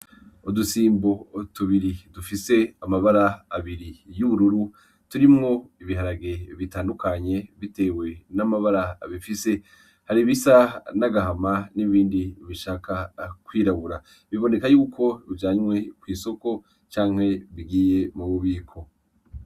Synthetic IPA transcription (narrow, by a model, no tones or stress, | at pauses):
odusiːmbo̞otuβiɾidufise̞amaβaɾaːβiɾijuβuɾuɾu | tuɾimŋo̞iβiɦaɾaɡe̞βitaːndukaɲe̞βite̞we̞namaβaɾa̰ːβifise̞ | haɾiβisanaɡaɦamaniβiːndiβiʃaːkakwiːɾaβuɾa | βiβo̞ne̞kajuːkʰo̞ɾuɟaːɲwe̞kwiːso̞ko̞ | t͡ʃaːŋ̥he̞βiɡiːje̞muβoβiːkʰo̞